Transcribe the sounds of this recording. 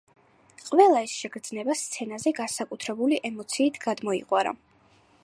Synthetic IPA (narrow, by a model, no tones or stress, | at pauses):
qʼvɛlˠaisʃɛɡɾd̪znɛbast̪sʰɛnazɛɡansakʼut̪ʰɾɛbuliʔɛmɔt̪sʰiːt̪ʰɡ̥ad̪mɔḭqʼwaɾa̰